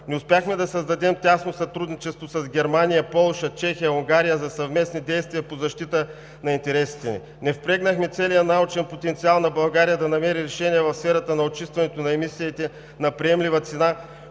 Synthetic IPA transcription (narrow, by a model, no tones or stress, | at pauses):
nɛʊspjaxmɛd̪ɐsɐzd̪ɐd̪ɛmt̪ʲasnosɐt̪ɾud̪nit͡ʃɛst̪vosɐzɡʲɛɾmanijəpɔlˠʃət͡ʃɛxijəʊŋɡaɾijəzɐsɐvmɛsnid̪ɛjst̪viɐpozɐʃt̪it̪ə | nɐint̪ɛɾɛsi̥t̪ɛnḭ | nɛfpɾɛɡnɐxmɛt̪sɛlijənaot͡ʃɛnpot̪ɛnt̪sialˠnɐbɐlˠɡaɾijəd̪ɐnɐmɛɾiɾɛʃɛniɛvɐfsfɛɾɐt̪ənɐot͡ʃist̪vɐnɛt̪onɐɛmisiːt̪ɛ | nɐpɾiɛmlivət̪sɛna